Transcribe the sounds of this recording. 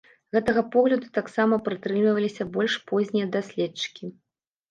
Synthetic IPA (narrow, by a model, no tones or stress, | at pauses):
ɣɛt̪ɐɣɐpɔɣlʲɐd̪ut̪aksamɐpɾɨt̪ɾɨmlʲivɐlʲisʲɐbɔlʲʂpɔzʲnʲijɐd̪asʲlʲɛtt͡ʂɨ̥kʲi